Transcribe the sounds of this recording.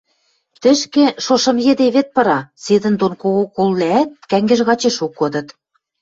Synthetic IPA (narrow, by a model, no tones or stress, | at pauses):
t̪ɘ̆ʃkĕʃoʃɤ̆mjĕd̪eβĕt̪̚pɤ̆ɾɑsed̪ə̆nd̪onkoɣokolːæːt̪̚kæŋɡɘ̆ʒɣɑt͡ɕeʃukːŏd̪ɤ̆t̪